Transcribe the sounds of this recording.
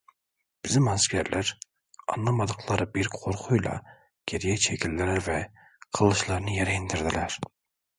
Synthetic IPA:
b̥ɪzɪmɑskʲʰæɾlʔæɾ | ɑ̰nlˠɑmɑd̪əqʰlˠɑɾbiɾqʰoɾqʰujlˠɑ̰ | ɡ̥ʲeɾjɛt͡ʃʰɛkʲʰilːɪɾɪvɛ | qʰəlˠːɯʃlˠɑɾnɨjɛɾɛind̪ɪɾd̪ɪlæɾ

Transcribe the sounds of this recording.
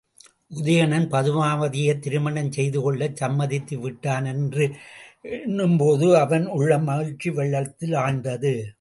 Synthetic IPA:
ʔʊðɐjɐnɐnpɐðɯʋaːʋɐðɪjɐt̪ːɪɾɯmɐɳɐnsɛjðɯkɔɭːɐsɐmːɐðɪt̪ːɯʋɪʈːaːnɛndrɯɛnːɯmpoːðɯɐʋɐnʊɭːɐmɐɣɪɻt͡ʃːiʋɛɭːɐt̪ːɪlaːndɐðɯ

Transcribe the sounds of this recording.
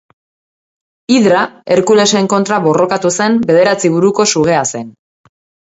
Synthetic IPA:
iðɾae̞ɾkule̞se̞ŋko̞nt̪ɾaβo̞ro̞kat̪use̞mbe̞ð̞e̞ɾat͡siβuɾuko̞suɣ̞e̞ase̞n

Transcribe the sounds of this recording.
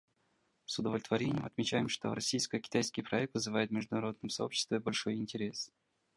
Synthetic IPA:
sʊd̪əvlʲɪt̪vɐɾʲenʲɪjəmɐt̪mʲɪt͡ɕæjɪmʂt̪o̞̰ɾɐsʲijskəkʲɪ̥t̪ajskʲɪjpɾɐɛk̚t̪vɨzɨvajɪt̪mʲɪʐd̪ʊnɐɾo̞d̪nɨmsɐo̞pɕːɪ̥st̪vʲɪbɐlʲʂo̞jɪnʲtʲɪɾʲe̞s

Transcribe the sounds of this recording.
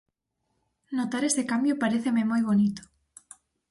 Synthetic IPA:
not̪aɾesekambjopaɾeθememojβonit̪o̥

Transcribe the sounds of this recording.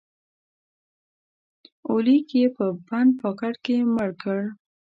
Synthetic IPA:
olikjepəband̪̚pɑkaɽkeməɽkəɽ

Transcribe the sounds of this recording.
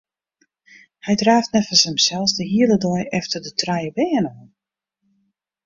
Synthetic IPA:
hɛjdraːftnɛtfəsɛmsɛlˠsdəɦiələdɔjʔɛftərdətʰrajəbɛːənoən

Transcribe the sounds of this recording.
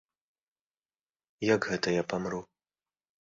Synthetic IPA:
jakɣɛt̪ɐjapamɾu

